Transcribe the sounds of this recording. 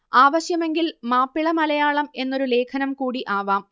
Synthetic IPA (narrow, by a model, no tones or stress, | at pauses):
aːʋɐɕjɐme̞ŋɡilmaːpːiɭɐmɐlɐjaːɭɐme̞nːo̞ɾule̞ːkʰɐnɐmkuːɽiʔaːʋaːm